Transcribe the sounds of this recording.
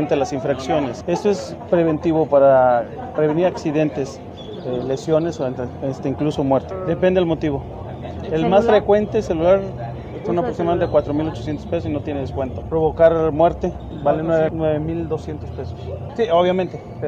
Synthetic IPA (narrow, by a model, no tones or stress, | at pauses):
nt̪elasiɱfɾaksjo̞ne̞se̞st̪oe̞spɾe̞βe̞nt̪iβo̞paɾa | reβ̞eniɾaksiðe̞nt̪es | ele̞sjo̞nesoenest̪eiŋkluso̞mweɾt̪e̥d̪epe̞nd̪eelmo̞t̪iβo̞ | elmasfɾe̞kwe̞nt̪eselulaɾ | est̪aunapɾoksimaðont̪ekwat̪ɾo̞milo̞t͡ʃosjent̪ospes̬osino̞t̪jeneðeskwe̞nt̪opɾo̞βo̞kaɾmwe̞ɾt̪e | balenweβenweβemild̪o̞sje̞nt̪o̞spe̞sossioβ̞jamẽnt̪epe